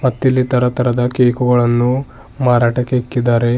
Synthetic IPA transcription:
mɐt̪ːilːit̪ɐɾɐt̪ɐɾɐd̪ɐkeːkuɡɐɭɐnːu | maːɾaːʈɐkeikːid̪aːɾe̞

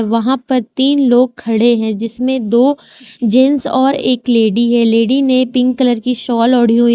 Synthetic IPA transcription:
ʋɐɦãpɐɾt̪iːnloːɡ̚kʰːɐɽeɦɛ̃d͡ʒɪsmẽd̪oː | d͡ʒẽːnsɔːɾḛːkleːɖiɦɛleːɖinẽpɪ̃ŋɡ̚kələɾkiʃɔːlɔːɽ̤iũ

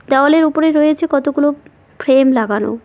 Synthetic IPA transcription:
d̪ɔoaleɾupoɾeɾojet͡ɕʰekɔt̪oɡulo | fʰɾemlaɡano̰

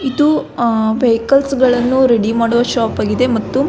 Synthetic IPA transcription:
id̪uʋejkɐlsɡɐɭɐnːuɾe̞ɽimaːɽoʋɐʃaːpaːɡid̪e̞mɐt̪ːu

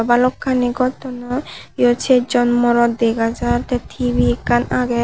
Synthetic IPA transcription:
ɔbalokʰːaniɡɔt̪ɔnɔjot͡ʃʰed͡ʒɔnmɔɾɔd̪eɡad͡ʒaɾt̪et̪ʰibikanaɡe

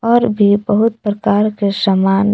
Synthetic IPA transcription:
ɔːɾbʱibəɦʊt̪̚pɾɐkaːɾkesəmaːn

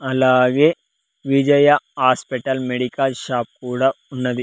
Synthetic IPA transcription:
ɐlaːɡeː | ʋid͡ʒɐjɐhaːspiʈɐlmeɽikɐlʃaːp̚kuːɽa | unːɐd̪i

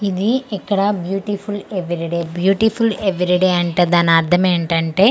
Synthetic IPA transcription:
iðiɛkːɐɽɐbjuːʈifuleʋiɾiɖeːbjuːʈifuleʋiɾiɖeːɐɳʈɐd̪aːnaɾt̪ʰɐmeːɳʈɐɳʈeː

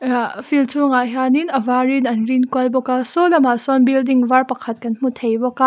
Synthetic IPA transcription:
fʰiltʰuŋaɦaninɐvaɾinɐnɾinkɔjbɔkasɔlɐmasɔnbildiŋvaɾpɐkʰɐt̚kɐnm̥utʰejbɔka

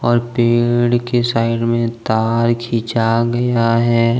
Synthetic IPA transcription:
ɔːɾpeːɽkesaːɪɖmẽt̪aːɾkʰiːt͡ʃaɡɐjaɦɛ

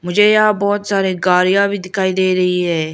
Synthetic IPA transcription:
mʊd͡ʒʱeːjabɔːt̪saːɾeːɡaːɾijãːbʱiːd̪ɪkʰaːid̪eːɾəɦiːɦɛː

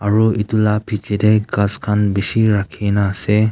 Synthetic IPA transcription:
aɹuitulapʰit͡ʃideɡazkʰanbisiɾakʰinaːse

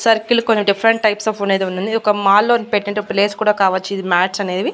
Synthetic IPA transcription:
sɐɾkilkonːimɖifʰɐɾɐɳʈ̚ʈɐjpsɐfuned̪unːund̪iɔkɐmaːlːoːnpeʈːinɐɳʈeokleːskuːɽaːkaːʋɐt͡ʃːid̪imaːʈsɐne̞ːʋi

